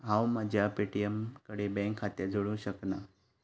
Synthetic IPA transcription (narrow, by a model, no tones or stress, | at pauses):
ɦãwmad͡ʑʱjapeʈijəmkəɽebɛ̃ŋkʰːat̪jad͡zʱoɭũɕəkna